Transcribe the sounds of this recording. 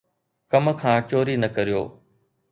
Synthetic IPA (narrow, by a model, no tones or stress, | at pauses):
kɐmkʰãːt͡ɕoːɾinɐkɐɾijo̰ː